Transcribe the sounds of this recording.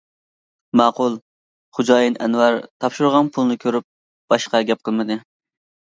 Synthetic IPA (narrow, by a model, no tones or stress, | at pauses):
mæːqʊlˠ | χud͡ʒɑːjinʔɛ̰nwɑɾt̪ʰɑpʃuɾʁɑnpʰulˠnɨkʲʰøɾyp̚ | b̥ɑʃqɑɡʲɛp̚qʰəlˠmɨd̪ɨ